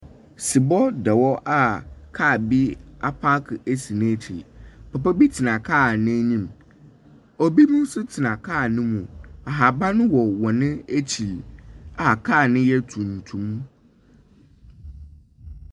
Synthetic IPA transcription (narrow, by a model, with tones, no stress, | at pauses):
si˨bɔ˦dɛ˨wɔ˦ʔa˦kʰa˦˨bi˦a˦pʰa˦kʰe˦si˨nẽ˦tʰi˨pʰɛ˨pɛ˦bi˦tʰɪ˨nã˨kʰaː˦˨nɪ̃˦ɲĩ˦˨m | ɔ˨bi˦mũ˦n˦sʊ˦tʰɪ˨nã˨kʰaː˦˨nɪ̃˦mũ˨a˨ɦa˨ba˦nʊ̃˦wɔ˨wɔ˨nɪ̃˦e˦t͡ɕʰi˨a˨kʰaː˦˨nɪ̃˦jɛ˦tʰũ˨n̩˨tʰũ˨m̃˦